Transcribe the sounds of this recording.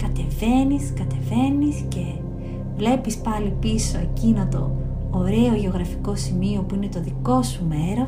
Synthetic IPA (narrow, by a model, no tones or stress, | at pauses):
kɐt̪e̞ve̞niskɐt̪e̞ve̞nisce̞ | vle̞pispɐlipiso̞ecinɐt̪o̞ː | ɾe̞o̞ʝe̞o̞ɣɾɐfi̥ko̞simio̞puine̞t̪o̞ðiko̞sume̞ɾo̞